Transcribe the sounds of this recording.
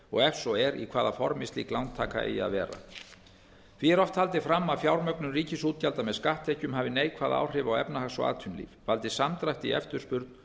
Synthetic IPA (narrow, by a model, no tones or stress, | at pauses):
ɔɣɛfsɔɛɾḭkʰvaːðafɔɾmɪst̪liklawnt̪ʰaːka̰ḛja̰ðvɛːɾa̰ | t̪ʰviɛɾɔft̪hal̪t̪ɪfɾamːafjawɾmœknʏriːcɪsuːt̪jalt̪amɛðskaht̪ʰɛhcʏmhaːvɪneːjkʰvaːðaa̰wr̥ɪvaɔɣɛpnahasɔ̰a̰ːðt̪ʰʏnlḭːvfalt̪ɪsamt̪ɾajht̪ḭɛ̰ft̪ʏɾ̥spʏɾt̪n